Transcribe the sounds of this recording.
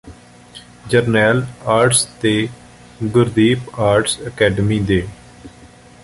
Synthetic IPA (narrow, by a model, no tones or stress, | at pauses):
d͡ʒəɾnɛːlaːɾʈst̪eː | ɡʊɾd̪iːpaːɾʈsəkɛːɖəmiːd̪eː